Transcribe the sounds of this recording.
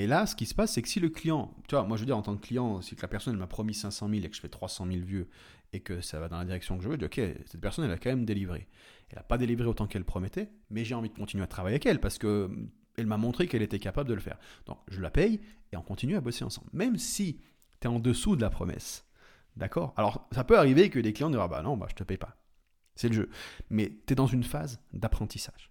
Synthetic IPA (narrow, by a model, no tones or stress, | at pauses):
elasə̥kʲisə̥pasːɛkə̥siləklijɑ̃t̪yvamwaʒəvød̪iʁɑ̃t̪ɑ̃kkːlijɑ̃siklapɛʁsɔnɛlmapχɔmisɛ̃sɑ̃milekə̥ʒə̥fɛt̪χwasɑ̃milvjø | ekəsavad̪ɑ̃lad̪iʁɛksjɔ̃kəʒəvøʒd̪iɔkʰʲesɛt̪̚pɛʁsɔnɛlːakɑ̃mɛmd̪elivʁḛ | ɛ̰lːa̰pad̪elivʁeot̪ɑ̃kɛlpχɔmɛt̪ɛmɛʒeɑ̃vid̪əkɔ̃t̪inɥeat̪χavajeavɛkɛlpaʁsə̥kə | ɛlmamɔ̃t̪χekɛlet̪ɛkapabld̪ələfɛ̰ʁd̪̥ɔ̰̃kʒəlapɛjeɔ̃kɔ̃t̪inyaboseɑ̰̃sɑ̰̃blmɛmsi | t̪yɛɑ̃d̪əsud̪əlapχɔ̰mɛ̰s | d̪akɔːʁalɔʁsapøaʁivekəleklijɑ̃d̪iʁaba̰nɔ̃ba̰ʒə̥t̪əpɛjpa | sɛləʒømɛt̪yɛd̪ɑ̃zynfazd̪apχɑ̃t̪isaʒ̥